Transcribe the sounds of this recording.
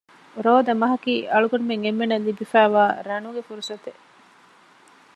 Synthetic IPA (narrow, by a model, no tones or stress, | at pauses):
ɾoːd̪ɐmɐɦɐkiːʔɐɭuɡɐnumeŋemːenɐlːibifæːʋaːɾɐnuɡefuɾusɐt̪e